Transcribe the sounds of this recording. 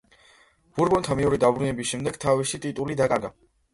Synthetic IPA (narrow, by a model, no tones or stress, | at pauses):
b̥uɾbɔnt̪ʰamɛuɾid̪abɾunɛbisʃɛmd̪ɛɡ̥t̪ʰavisit̪ʼit̪ʼulid̪akʼaɾɡa̰